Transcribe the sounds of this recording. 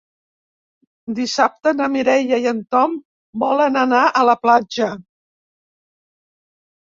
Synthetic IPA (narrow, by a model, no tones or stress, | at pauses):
d̪isap̚t̪ənəmiɾɛjəjənt̪ɔm | bɔlənənaʔələplad͡ʒə